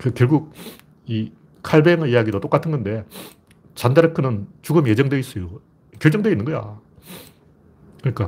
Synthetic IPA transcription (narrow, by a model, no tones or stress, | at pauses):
kɯkjʌɭɡuk̚ | i | kʰaɭbeŋijaɡidot͈ok͈atʰɯnɡʌnde̞ | t͡ɕandaɾɯkʰɯnɯnt͡ɕuɡɯmjed͡ʑʌŋdweis͈ʌjo | kjʌɭt͡ɕ͈ʌŋdwe̞inːɯnŋɡʌja̰ | kɯɲik͈a